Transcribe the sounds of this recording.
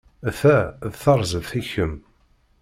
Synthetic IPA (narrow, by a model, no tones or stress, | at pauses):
æθæðθəɾˤzəðiçəm